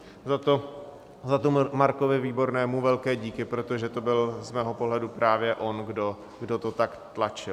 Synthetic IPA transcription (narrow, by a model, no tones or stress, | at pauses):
zat̪o | zat̪omaɾko̞vɪviːbo̞ɾnɛːmuvɛlkɛːɟiːkɪpɾot̪o̞ʒɛt̪o̞bɪlzmɛːɦo̞po̞ɦlɛdupɾaːvjɛʔo̞nɡdo | ɡdo̞t̪o̞t̪akt̪lat͡ʃɪl